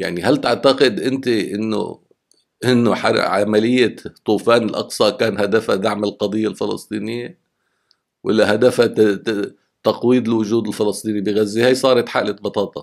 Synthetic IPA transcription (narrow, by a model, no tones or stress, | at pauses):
jaʕnihalt̪ɪʕt̪aqɪd̪ʔɪnt̪iʔɪnːʊ̰ | ʔɪnːʊħa̰ʕamalɪjːat̪ˤːuːfaːnɪlʔɑ̰qsˤɑkaːnhad̪afhad̪aʕmɪlqɑd̪ˤɨjːalfɪlɑsˤt̪ˤiːnɪjːa | wʔɪ̰lːahad̪afa | t̪ɑqwiːd̪ɪlwʊʒuːd̪ɪlfɪlɑsˤt̪ˤiːnibɪɣazːihaːjsˤɑːɾˤɑt̪ħaʔlat̪̚bɑt̪ˤɑːt̪ˤɑ